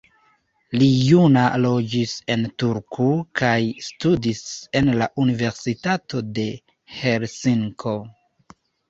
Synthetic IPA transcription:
lijunalo̞d͡ʒise̞ntuɾkʰukʰajstudise̞nlaʔunive̞ɾsitatʰo̞de̞ | he̞ɾsiŋkʰo̞

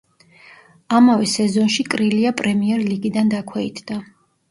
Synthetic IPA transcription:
amavɛsɛzɔnʃikʼɾiliapʼɾɛmiɛɾliɡid̪and̪akʰwɛit̪ʰd̪̥a

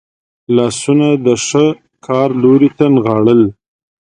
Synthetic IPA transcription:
lɑsunad̪əʂə | kʰɑɾloɾit̪anɣɑɽəl

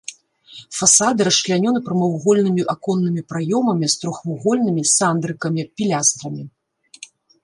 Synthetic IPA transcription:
fasad̪ɨɾɐʂlʲanʲɔnɨpɾɐmɐwɣɔlʲnɨmʲiʔakɔnːɨmʲipɾajɔmɐmʲist̪ɾɔxvuɣɔlʲnɨmʲisand̪ɾɨkɐmʲipʲilʲast̪ɾɐmʲi

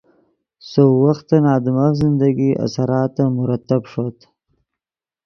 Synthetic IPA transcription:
sowaxt̪anɑːd̪ɪmazɪnd̪aɡiʔa̰saɾɑːt̪ːamʊɾat̪ːabʂot̪

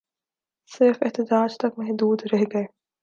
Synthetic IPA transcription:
sɪɾfɪɦt̪ɪd͡ʒaːd͡ʒt̪ɐkmɛɦd̪uːd̪ɾɛɦɡɐeː

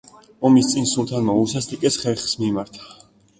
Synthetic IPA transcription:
ɔmist̪sʼinsulˠt̪ʰanmausast̪ʰʼikʼɛsχɛɾχsmimaɾt̪ʰḁ

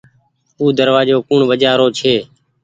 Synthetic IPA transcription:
uːd̪əɾʋaːd͡ʒoːkʊɳʋəd͡ʒaːɾoːt͡ʃʰeː

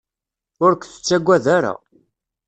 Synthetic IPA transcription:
ʊɾkʷθə̥t͡sːæɡʷæðaɾa̰

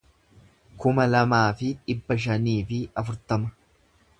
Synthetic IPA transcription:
kʊmɐlɐmaːfɪᶑɪbːɐʃ̬ɐniːfɪɐfʊɾt̪ɐmɐ

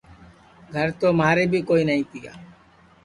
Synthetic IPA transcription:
ɡʱəɾt̪omaːɾebikoinəɦĩt̪ija̰ː

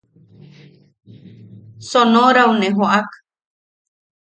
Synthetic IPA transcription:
sonoɾaunẽɦoʔak

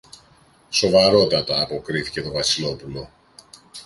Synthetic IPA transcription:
so̞vɐɾo̞t̪ɐt̪ɐːpo̞kɾiθice̞t̪o̞vɐsilo̞pulo̞

